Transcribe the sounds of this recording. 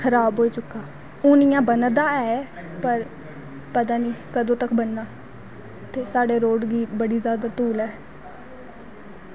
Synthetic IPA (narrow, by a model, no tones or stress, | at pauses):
kʰəɾaːbɦoːiːt͡ʃʊkːaː | ʊːnɪjãːbənd̪aːɛːpəɾ | pət̪̬ãːniːkəd̪õːt̪əkʰbənːaː | t̪eːsaːɖeːɾoːɖɡiːbəɽiːzjaːd̪aːt̪uːlɛː